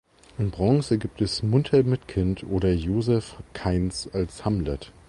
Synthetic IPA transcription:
ʔɪnbʁɔ̃ŋsəɡiːp̚tɛsmʊntʰɐmɪtkʰɪntʰʔoːɾɐjoːzɛfkʰaɪnsalshamlɛt

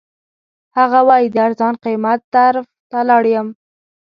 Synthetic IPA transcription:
haɣawɑjid̪əaɾzɑnqimat̪̚d̪aɾft̪alɑɽjəm

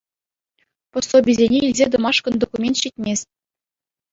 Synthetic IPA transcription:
pŏsobʲizʲenʲeilʲzʲed̪ɤ̆mɑʂkɤ̆nd̪okumʲent̪ɕitʲmʲesʲ

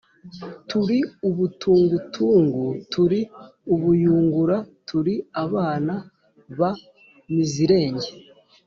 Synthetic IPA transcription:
tuɾiuβutʰuːŋɡutʰuːŋɡutʰuɾiuβujuːŋɡuɾatuɾiaβaːna | βa | miziɾe̞ːɲɟe

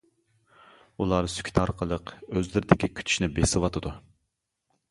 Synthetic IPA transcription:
ulˠɑɾsy̥kʲʰt̪ʰɑɾqʰəlˠəqøzlɪɾɪd̪ɪkʲikʲʰy̥t̪ʰy̥ʃnɪbesɨwɑt̪ʰɨd̪u

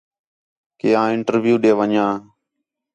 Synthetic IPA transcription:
keːãːɪɳʈəɾʋjuːɗeːʋəɲãː

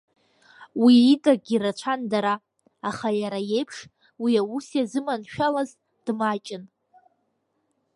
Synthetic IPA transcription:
wiitʼaɡʲiɾat͡ʃʷʰandaɾaː | χajaɾaje̞jpʰʂ | wiausjazɨmanʃᶣalaz | d̥mat͡ʃʼɪn

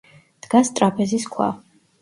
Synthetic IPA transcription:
d̪̥ɡast̪ʼɾapʰɛziskʰwa̰

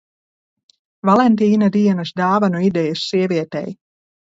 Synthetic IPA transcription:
valˠɛnt̪iːnad̪iɛnɐsd̪aːvanuid̪ɛjasːiɛvʲiɛt̪ɛ̰j

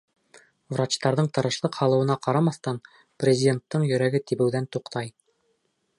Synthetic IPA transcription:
vrat͡ɕt̪ɑɾðɤɴt̪ɤ̆ɾɤ̆ʃlˠɤqhɑlˠɤ̆wɤ̆nɑqɑɾɑmɑθt̪ɑn | prʲɪzʲɪdʲe̞nt̪ːɤɴjɵ̆ɾæɡɘt̪ibɘ̆wðænt̪uqt̪ɑj

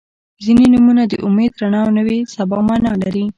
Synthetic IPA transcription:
zinenumunad̪əʔʊmed̪ɾanɑwnəwesabɑmɑnɑlaɾi

